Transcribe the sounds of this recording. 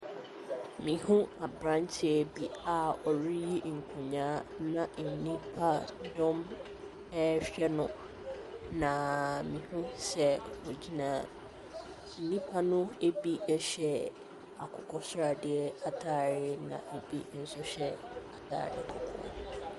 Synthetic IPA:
mĩ˨hũ˦a˨bɾã˦nt͡ɕʰɪ˦ɛ˨bi˨a˦ɔ˨ɾi˦ji˦ŋ̩˨kʰũ˨ɲãː˨˦nã˨n̩˨nĩ˦pʰa˦dɔ̃˦m | ɛ˦ɕᶣɛ˦nʊ̃˦ | nã˨mĩ˨hũ˦sɛ˦wo˨d͡ʑi˦nã˨ | n̩˨nĩ˦pʰa˦nʊ̃˦e˦bi˦ɛ˦ɕɛ˦ | a˨kʰɔ˨kʰɔ˦sʊ˦ɾa˨dɪ˨ɛ˦a˨tʰaː˦˨ɾɪ˦nã̰˨e˨bi˦n̩˨sʊ˦ɕɛ˦a˨tʰa̰ː˨ɾɪ̰˨kʰɔ˨kʰɔ̰˦

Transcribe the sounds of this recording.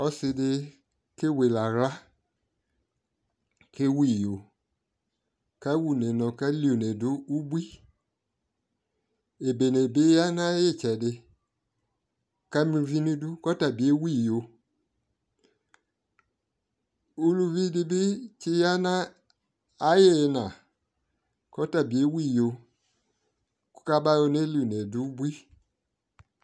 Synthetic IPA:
ɔ˦sɪ˧dɪ˧ | kɪ˦we˨la˨ɣla˦ | kɪ˦wi˦˨jo˨ | ka˦wu˦˨ne˨nɔ̃˨ka˦li˦u˨ne˨dʊ˦u˦bʷi˦ | e˨be˨ne˨bɪ˦ja˦nã˦jɪ˦˨t͡ʃɛ˨dɪ˨ | ka˦mi˨˧˦vi˦ni˦du˦kɔ˦ta˨bi˨e˦wi˦˨jo˧ | u˦lu˧vi˦dɪ˧bɪ˦t͡ʃi˧ja˦naː˦ | je˦˧na˨ | kɔ˦ta˨bi˨e˦wi˦˨jo˧ | ku̥˦ka˦ba˦jo˧ne˦li˦˨u˨ne˨du˨˦u˦bwi˦

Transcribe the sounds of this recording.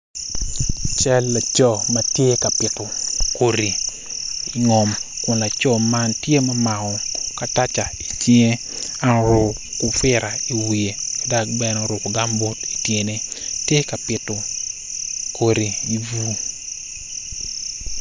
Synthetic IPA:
t͡ʃɛ˦lːa˨t͡ʃɔ˦matje˦ka˨pɪ˨tʊ˨ko˨ɾi˨ | i˨ŋɔ˨mkʊ˨nla˨t͡ʃɔ˦ma˦ntje˦ma˦ma˨ɔ˨ka˨ta˦t͡ʃa˨i˨t͡ʃiŋe˦ | a˦n˨ɾʊ˨ | kʊ˨fɪ˦ɾa˨i˨wi˨e˨da˦k̚bɛ˦nɔ˨ɾʊ˨kɡa˦mbo˦ti˨tje˨ne˦tje˦ka˨pɪ˨tʊ˨ | ko˨ɾi˨i˨vu˦

